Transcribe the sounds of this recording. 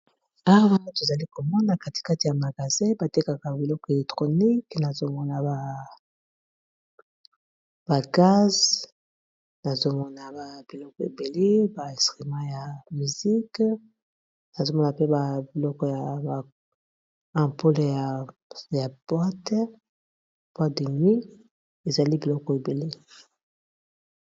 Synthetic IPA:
a˦wwa˦na˦to˨za˨li˦ko˨mɔ˦na˨ka˦ti̥˨ka˦ti˨ja˨ma˨ɡa˨zɛ̃˦ba˨te˦ka˨ka˨bi˨lɔ˦kɔ˨e˨lɛ˨tχo˨ni˦kna˨zo˦mɔ˦na˨ba˨ | ba˨ɡa˦z | na˨zo˦mɔ˦na˨ba˨b̥i˨lɔ˦kɔ˨e˨be˨le˦ba˨ɛ̃˨stʁi˨mã˦ja˨my˨zi˦k | na˨zo˦mɔ˦na˨pe˦ba˨bi˨lɔ˦kɔ˨˦ja˨ba˨ | ã˨po˦le˨ja˨ | ja˨b̥wa˦tɛ˦˨ | b̥wa˦de˨nwi˦ | e˨za˨li˦bi˨lɔ˦kɔ˨e˨be˨le˦

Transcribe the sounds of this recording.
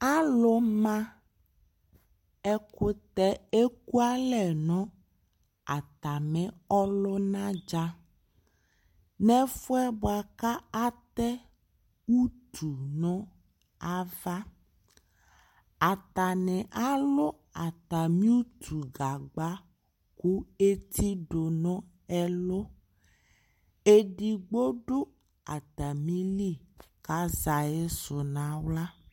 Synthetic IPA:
a˦lo˦mã˦ | ɛ˦ko˦t̪ɛ˦e˦ku˦a˦lɛ˨nɔ̃˦ | a˨t̪a˨mɛ̃˨ɔ˦lo˦nã˦d͡ʒa˦ | nɛ̃˦fo˦ɛ˦bo˨a˨ka˦a˦t̪ɛ˦ | wu˦t̪ʰu˨nɔ̃˦ | a˦va˦ | a˨t̪a˨nɛ̃˨ʔa˦lo˦ | a˨t̪a˨mĩ˦u˦t̪ʰu˨ɡa˨ɡ͡ba˦ | ku˦e˦t̪ʰi˦ɖo˨nɔ̃˦ | ɛ˦lo˦ | e˦ɖi˨ɡ͡bo˦ɖo˦ | a˨t̪a˨mĩ˦li˦˨ka˦za˨e˦so˨nã˨˦wla˦

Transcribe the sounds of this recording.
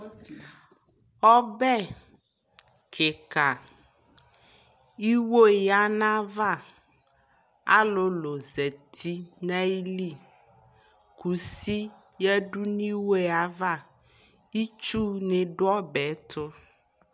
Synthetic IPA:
ɔ˦bɛ˦ | kʰe˨ka˨ | i˦wo˦ja˦nã˦va˦˨ | a̰˦lo˦lo˨zɛ˨t̪ʰi˦nã˦i˦li˦˨ | kʰu˨si˦ | jɛ˦ɖu˦nĩ˦wo˦e˨a˨va˦ | i˦t͡ʃu˦ne˨ɖʊ˦ɔ˦bɛ˨˦t̪ʰʊ˦

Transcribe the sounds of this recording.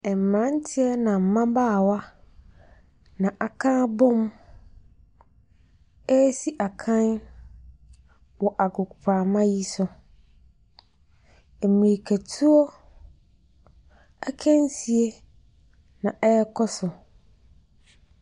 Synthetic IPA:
ɛ˨m̩˨mã˦n˦tʰɪ˦ɛ˦nã˨m̩˨mã˦baː˦˨wa˦ | nã˨ʔa˨kʰã˦bʊ̃˦m | ɛ˦si˦ʔa˨kʰã˦n | wɔ˨ʔa˨kʊ˨kʊ˨pʰaː˨mã˦ji˦sʊ˦ | ɛ˨mĩ˨ɾi˨kʰæ˨tʰu˦ɔ˦ | a˦kʰæ̃˦n˦si˨e˦ | nã˨ʔɛ˦kʰɔ˦sʊ˨

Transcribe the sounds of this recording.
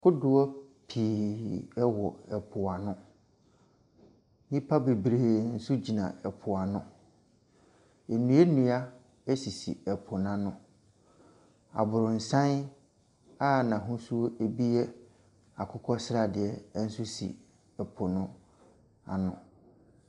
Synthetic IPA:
kʰʊ˦dʊ˨ɔ˦pʰiː˨ɛ˦wɔ˨ɛ˨pʰʊ˨a˨nʊ̃˦ | nĩ˦pʰa˦be˨bɾeː˨n̩˦sʊ˦d͡ʑi˨nã̰˨ɛ˨pʰʊ˨a˨nʊ̃˦ | e˨nũ˨˦e˦nũ˨a˦ | ɛ˦si˨sḭ˨ɛ˨pʰʊ˨n˨ã˨nʊ̃˨ | a̰˨bʊ˨ɾʊ̃˨n̩˨sã˦n | a˦˨nã˨ɦʊ̃˦su˦e˨bi˦ɛ˦ | a˨kʰʊ˦kʰɔ˦sɪ˦ɾa˨dɪ˨ɛ˨˦n̩˦sʊ˦sḭ˨ | ɛ˨pʰʊ˨nʊ̃˦ | a̰˨nʊ̃˨

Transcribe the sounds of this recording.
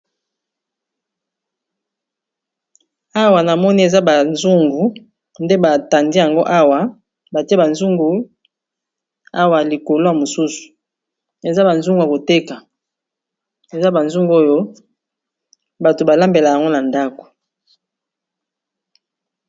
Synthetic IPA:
a˦wa˨na˨mɔ˦ni˦e˨za˦ba˨nzu˦ŋɡu˨ | nde˦ba˨ta˨ndi˦ja˨ŋɡo˦ʔa˦wa˨ | ba˨ti˦e˦ba˨nzu˦ŋɡu˨ | a˦wa˨li˨ko˨lo˦ja˨mo˨su˦su̥˨ | e˨za˦ba˨nzu˦ŋɡu˨ja˨ko˨te˦ka˨ | e˨za˦ba˨nzu˦ŋɡu˦o˦jo˦ | ba˨to˨ba˨la˦mbe˨la˨ja˨ŋɡo˦na˨nda˦ko̥˨

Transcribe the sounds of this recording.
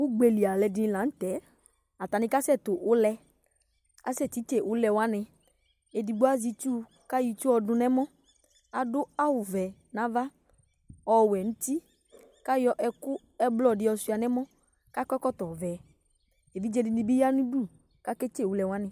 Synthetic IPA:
wʊ˦ɡ͡be˨li˨a˨lɛ˨dɪ˨nĩ˨lã˨˦n̩˦t̪ɛ˨˦ | a˨t̪a˨nɪ̃˨˦ka˦sɛ˦˨t̪ʊ˨ʔʊ˦lɛ˧ | a̰˦sɛ˦˨ti˨˦t͡ʃe˦˨ʔʊ˨˦lɛ˨wa˦nɪ̃˧ | e˨di˧ɡ͡bo˦a˦zi˧t͡ʃu˦ | ka˦ji˧t͡ʃu˦ɔ˧dʊ˧nɛ˦mɔ̃˦ | a˨dʊ˦a˦wʊ˨vɛ˨nã˨˦va˦ | ɔ˨wɛ˨ñ̩˦t̪i˦ | ka˦jɔ˦ʔɛ˧kʊ˦ | ɛ˦blɔ˦˨dɪ˨˦ɔ˧su˧˦a˨nɛ˦mɔ̃˦ | ka˦kɔ˦kɔ˦t̪ɔ˨vɛ˨ | e˨vi˦d͡ʒɛ˧dɪ˧nĩ˧˨bi˦ja˦nũ˦du˦˨ | ka˦ke˦t͡ʃe˦˨wʊ˨˦lɛ˨wa˦nɪ̃˨

